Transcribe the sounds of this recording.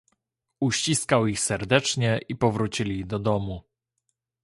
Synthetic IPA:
uɕt͡ɕiskawixsɛɾd̪ɛt͡ʂɲɛʔipɔvɾut͡ɕilʲid̪ɔd̪ɔmu

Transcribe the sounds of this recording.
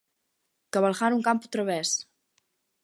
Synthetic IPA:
kəβalˠxaɾuŋkampu̥t̪ɾəβɛs

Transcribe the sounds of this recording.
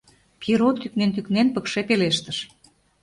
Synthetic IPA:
piɾot̪yk̚nent̪yknenpə̆kʃepeleʃt̪əʃ

